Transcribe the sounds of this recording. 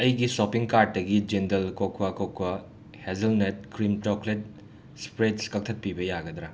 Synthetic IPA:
ɐjɡisopiŋkaɾd̚ːɐɡid͡ʒendɐlkokʰwakokʰwɐ | hezɐlnet̚kɾimt͡ʃɔklet̚ | spɾetskɐk̚tʰɐt̚pibɐjaɡɐd̪ɾa

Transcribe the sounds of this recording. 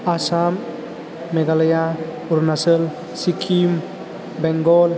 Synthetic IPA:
asamː | eɡalɐja | uɾnasəl | sikʰim | bɛŋɡol

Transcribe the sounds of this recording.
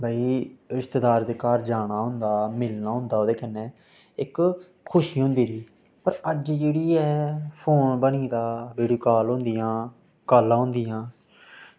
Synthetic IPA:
baːiːɾɪst̪əd̪aːɾd̪eːkaːɾd͡ʒaːɽ̃aːɦʊ̃nd̪aːmɪlnaːɦʊ̃nd̪aːoːd̪eːkənːeː | ɪkʰː | ʊʃiːɦõnd̪iːɾiː | pəɾəd͡ʒd͡ʒeːɽiːɛːpʰoːnbəniːd̪aːbeːɽuːkaːlɦõːnd̪ɪjãː | kaːlãːɦʊ̃nd̪ɪjãː

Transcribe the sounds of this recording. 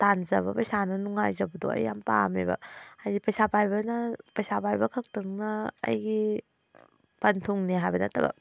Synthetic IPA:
tanzɐβɐpɐjsanɐnuŋajzɐbɐdo̰ɐ̰jːampa̰mḭbɐ̰adipɐjsapajbɐnɐpɐjsapʰajbɐkʰɐk̚tɯŋnɐɐ̰jɡi | pɐntʰuŋneɦajbɐnɐtɐbɐ̰

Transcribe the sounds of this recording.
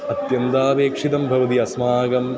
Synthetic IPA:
ɐt̪jɐnt̪aːʋeːkʂit̪ɐmbʱɐʋɐt̪̬iɐsmaːɡɐm

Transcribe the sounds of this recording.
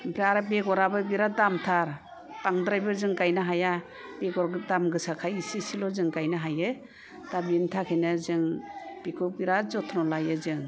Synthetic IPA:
mpʰɾeaɾabeɡɔɾabɯbiɾadamtʰaɾ | paŋdɾajbɯzɯŋkajnaɦaja | b̥eɡɔɾdamɡɯsakʰajisisilɔzɯŋkajnaɦajɯ | d̥abimtʰakʰɯjnazɯŋb̥ikʰɔbiɾazɔtʰnɔlajɯzɯŋ

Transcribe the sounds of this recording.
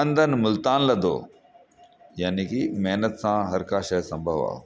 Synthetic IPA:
ənd̪ʱənmʊlt̪aːnlɐd̪ʱo̰ː | jaːnikimeɦnət̪sãɦɐɾkaʃɐsɐ̃mbʱəʋa̰ː

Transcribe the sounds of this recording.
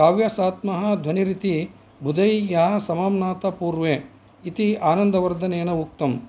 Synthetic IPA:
kaːʋjɐsaːt̪mɐɦɐ̆d̪ʱwɐniɾit̪i | bʱud̪ɐjjaɐsɐmaːmnaːt̪ɐpuːɾʋeː | it̪iaːnɐnd̪ɐʋɐɾd̪ʱɐneːnɐuk̚t̪ɐm

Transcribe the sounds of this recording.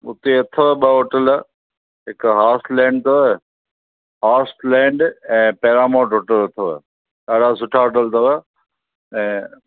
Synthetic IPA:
ʊt̪eɐt̪ʰəɓəɦoːʈəl | ɦɪkɦaːslɛ̃ːɳɖt̪o | ɦaːsʈlɛ̃ːɳɖɛ̃ːpɛːɾaːmoːʈɦoːʈəlɐt̪ʰo̰ | kaːɽasʊʈʰaɦoːʈəlt̪ɐʋə | ɛ̃ː

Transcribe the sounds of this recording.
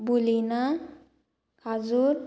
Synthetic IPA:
bulina | kʰad͡zuɾ

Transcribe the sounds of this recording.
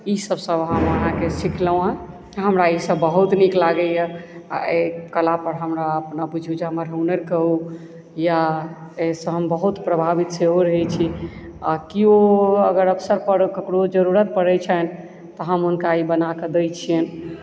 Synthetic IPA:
isəbsə̃bɦəməɦãkesikləwã | ɦəmɾaisəbəɦut̪niklaɡɛjəa̰ekəlapəɾɦəmɾaəpnaput͡ʃʰud͡ʒeɦəməɾɦəunəɾkəɦu | jaesə̃ɦəmbəɦut̪pɾəbʱabit̪seɦoɾəɦɛt͡ʃʰi | akioəɡəɾəpʰsəɾpəɾkəkɽod͡ʒəɾuɾət̪̚pəɾɛt͡ʃʰən | t̪ɔɦəmunkaibənaked̪əjt͡ʃʰijən

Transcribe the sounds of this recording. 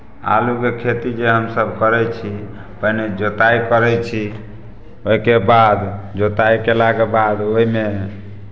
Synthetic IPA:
a̰lukekʰet̪id͡ʒeɦəmsəbkəɾɛt͡ʃʰi | pəɦned͡ʒot̪aikəɾɛt͡ʃʰi | oikebad̪d͡ʒot̪aikelaɡebad̪oɦime

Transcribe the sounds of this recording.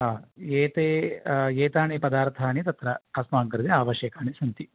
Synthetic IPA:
ɦaːeːt̪eːeːt̪aːɳipɐd̪aːɾt̪ʰaːɳit̪ɐt̪ɾɐːsmaːŋkɐɾd̪iaːʋɐʃjɐkaːɳisɐnt̪i

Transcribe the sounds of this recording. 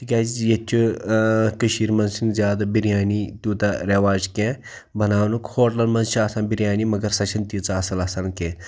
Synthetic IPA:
t̪ʰikʲaːzijɐt͡ʃʲʰu | kɨʃiːɾmɐnzsinzʲjaːd̪abiɾijaːnit̪uːt̪ɐɾʲeʋaːd͡ʒkẽ | bɐnaːwnukhoːʈlɐnmɐnzt͡ʃʰiaːsaːnbiɾjaːnimɐɡɐɾsɐt͡ʃʰint̪it͡sɨɐsɐlɐsɐnkẽː

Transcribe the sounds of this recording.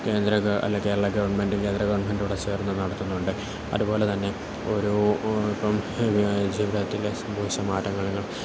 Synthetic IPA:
ke̞ːnd̪ɾɐɐ̰lːɐkeːɾɐɭɐɡɐʋɐɳme̞ndɖike̞ːnd̪rɐɡɐʋɐɳme̞nɖuɽet͡ɕe̞ːrnːɐnɐɽɐt̪ːunːuɳɖɨ | ɐ̰ðubo̞ːle̞t̪ɐnːe̞ | o̞ɾuipːɐm | d͡ʑiːʋiðɐt̪ːilesɐmbʱɐʋiɕɐmaːtːɐŋːɐɭuŋːɐɭ

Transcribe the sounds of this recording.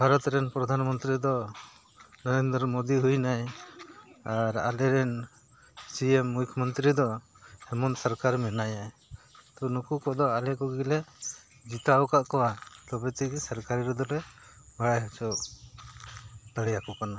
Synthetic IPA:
bʱaɾɔt̪ɾɛnpɾɔd̪ʱanmɔnt̪ɾid̪ɔ | nɔɾend̪ɾmod̪iɦujnaj | aɾa̰lɛɾɛn | siɛmːukʰmɔnt̪ɾid̪ɔ | hɛmɔnsɔɾkaɾmɛnajaj | t̪ɔnukukɔd̪ɔalɛkɔɡilɛ | d͡ʒit̪awkaʔkɔwat̪ɔbɛt̪ikisaɾkaɾiɾɛd̪ɔɾɛ | baɽajɦat͡ʃɔʔ | t̪əɽɛjakɔkana

